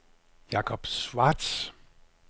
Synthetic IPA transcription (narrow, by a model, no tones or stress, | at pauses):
jɑ̈kʰɒb̥sʋɑd̥s